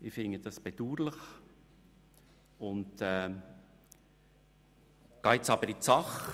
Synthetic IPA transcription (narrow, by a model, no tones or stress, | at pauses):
ɪfɪŋəd̥ɑsb̥ed̥̪uːɾləχ | ʊntɛ | kɑɪt͡sɑbəɾit͡sɑχ